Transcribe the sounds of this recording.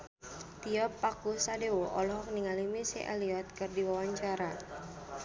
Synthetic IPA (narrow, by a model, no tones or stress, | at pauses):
t̪iɔpːakusadewoʔɔ̰lɔɦɔk̚niŋalimisḭʔa̰liɔt̪̚kɨrdiwawaɲt͡ʃaɾa